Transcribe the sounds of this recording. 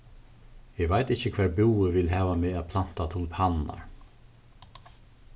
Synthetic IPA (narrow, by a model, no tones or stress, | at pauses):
ɪɡvajt̪ɪhcəkʰv̥ɛːɹbuwʏvɪlɦæːvameːæðpʰlan̥t̪at̪ʰuːlpʰanna̰ɹ